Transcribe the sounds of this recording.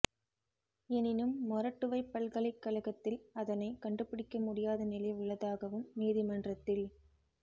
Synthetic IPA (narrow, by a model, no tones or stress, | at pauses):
ɛnɪnɯmːɔɾɐʈːɯʋɐɪpːɐlɣɐɭɐɪkːɐlɐɣɐt̪ːɪlɐðɐnɐɪkɐɳɖɯpːɪɽɪkːɐmʊɽɪjaːðɐnɪlɐɪʊɭːɐðaːɣɐʋɯmːiːðɪmɐndrɐt̪ːɪl